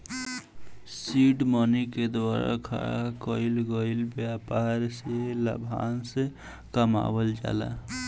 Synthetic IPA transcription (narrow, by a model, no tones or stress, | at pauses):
siɖməniked̪waɾa̰kʰaɾa̰kəilɡəɪlbjapaɾselə̰bʱa̰nse | kəma̰bəld͡ʒa̰la̰